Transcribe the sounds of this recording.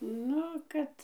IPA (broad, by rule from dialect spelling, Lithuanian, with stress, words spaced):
ˈnʊ ˈkɐt